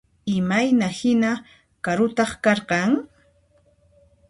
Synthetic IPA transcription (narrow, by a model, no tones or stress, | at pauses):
ɪmajnahɪna | kaɾʊt̪ɑχkɑɾqɑŋ